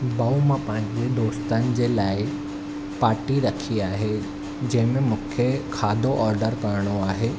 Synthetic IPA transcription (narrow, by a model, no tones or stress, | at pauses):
bɐumãpɐ̃ɦɪ̃ɲd͡ʑeɖ̪oːst̪ənɪ̆d͡ʑeːlaːɪ | paːɾʈiɾɐkʰiaːɦe | d͡ʑɐ̃ɦɪ̃mẽmũːkʰekʰaːd̪ʱoʔɔːɾɖəɾkɐɾəɽ̃oaːɦeː